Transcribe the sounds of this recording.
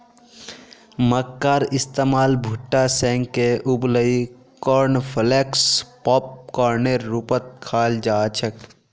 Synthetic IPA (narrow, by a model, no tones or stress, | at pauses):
məkːaːɾɪst̪eːmaːlbʱʊʈːasɛ̃ːŋɡkeʔʊbləi | kɔɾnpʰleːkspɔːp̚kɔːɾneɾːupət̪̚kʰaːld͡ʒaːt͡ʃʰək